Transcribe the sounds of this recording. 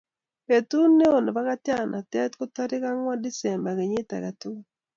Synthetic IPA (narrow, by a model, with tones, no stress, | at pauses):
pe˨tu˦nːe˦o˨n˨ba˦ɣa˦tja˦˨nʔa̰˨tɛ˦tko˦ta˦ɾɪ˦ka˦ŋwa˦di˦sɛ˨mba˨ɣe˨ɲɪ˦ta̰˨ɣa˨tu˦